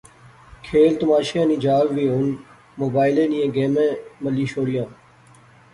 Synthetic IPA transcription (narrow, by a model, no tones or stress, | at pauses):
kʰeːlt̪əmaːʃãːnĩːd͡ʒaːʋʋiːɦoːn | moːbaːɪlẽːnĩːẽːɡeːmẽːməlĩːʃoːɽɪjãː